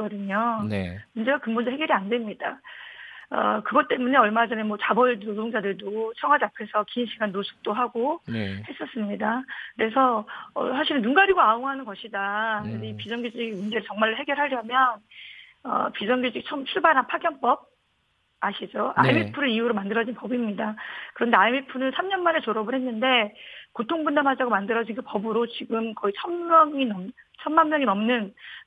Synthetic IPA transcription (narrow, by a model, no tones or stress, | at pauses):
ʌdɯɲonmund͡ʑe̞ɡakɯmbundoɦe̞ɡjʌɾiandwe̞mɲida | ʌ̰kɯɡʌt͈e̞mune̞ʌɭmad͡ʑʌnemwʌt͡ɕabʌɭnodoŋd͡ʑadɯɭdot͡ɕʰʌŋɦwad͡ʑapʰe̞sʰʌkinɕʰiɡanːosʰu̥k̚t͈oɦaɡohe̞s͈ʌs͈ɯmɲidakɯɾe̞sʰʌʌ̰sʰaɕʰiɾɯnːunɡaɾiɡoaoŋɦanɯnɡʌɕʰidakɯndeipid͡ʑʌŋɡod͡ʑiɡimund͡ʑe̞ɾɯɭt͡ɕʌŋmaɭɦe̞ɡjʌɾɦaɾjʌmjʌn | ʌ̰pid͡ʑʌŋɡjud͡ʑiɡit͡ɕʰʌmt͡ɕʰuɭbaɾɦanpʰaɡjʌnp͈ʌb̚ | aɕʰid͡ʑoa̰imipʰɯɾɯiuɾomandɯɾʌd͡ʑinpʌbimɲidakɯɾʌndeaimipʰunɯnsʰamɲʌnmaɾet͡ɕoɾʌbɯɭhenːɯnde̞kotʰoŋbundamɦad͡ʑaɡomandɯɾʌd͡ʑinkʰɯpʌbɯɾot͡ɕiɡɯmkʌit͡ɕʰʌnmjʌŋinʌmt͡ɕʰʌnmanmjʌŋinʌmnɯn